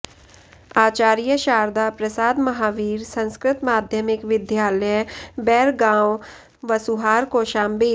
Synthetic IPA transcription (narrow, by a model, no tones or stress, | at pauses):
aːt͡ʃaːɾijəʃaːɾd̪apɾɐsaːd̪mɐɦaːʋiːɾsə̃nskɾɪt̪maːd̪ʱjəmɪkʋɪd̪jaːləjbɛːɾɡãːw | ʋɐsuɦaːɾkoʃaːmbiː